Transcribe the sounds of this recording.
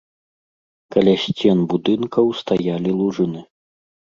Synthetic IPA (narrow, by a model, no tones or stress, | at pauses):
kɐlʲasʲt͡sʲɛnbud̪ɨnkɐwst̪ajalʲilˠuʐɨnɨ